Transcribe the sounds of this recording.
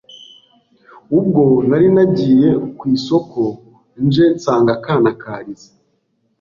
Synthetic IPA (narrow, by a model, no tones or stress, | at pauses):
ub̚ɡo̞naɾinaɟiːje̞kwiːso̞ko̞ | nʒe̞nsaːŋɡakaːnakaːɾizḁ